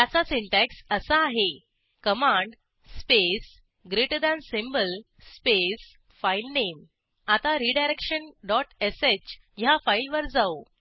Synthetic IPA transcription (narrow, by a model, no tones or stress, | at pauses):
t̪jat͡sasiɳʈɛksəsəːɦe | kəmãɳɖ | spes | ɡɾeʈəd̪ãnsimbəl | spes | failnem | at̪aɾiɖajɾekʂənɖɔʈeset͡ɕ | jafajlʋəɾd͡zao